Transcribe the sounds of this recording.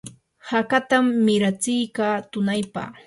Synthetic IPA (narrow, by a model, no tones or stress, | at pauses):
hakat̪amːɪɾat͡sɪjkaːt̪ʊnajpa̰χ